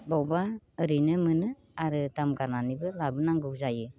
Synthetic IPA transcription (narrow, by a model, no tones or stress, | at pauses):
bɔwbaɯɾinɯmɯnɯ | aɾɯtamɡananibɯlabɯnaŋɡɯwzajɯ